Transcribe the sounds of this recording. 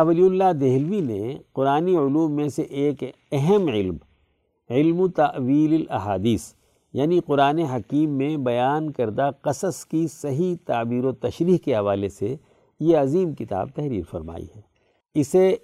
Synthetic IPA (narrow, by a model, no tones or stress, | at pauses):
ɐʋəliʊlːad̪eːɦlʋineqʊɾaːniʊluːmːẽseʔeːk | ɛɦəmʕɪlm | ɪlmut̪ɐʔʋiːlɪlɐ̰ɦaːd̪iːs | jaːniqʊɾaːneɦɐkiːmːẽbɐjaːnkɐɾd̪aqɐsəskisɐɦit̪aːbiːɾot̪ɐʃɾiːɦkeɦɐʋaːlese | jeɐziːmkɪt̪a̰ːb̚t̪ɛɦɾḭːɾfɐɾma̰ːḭɦɛː | ɪse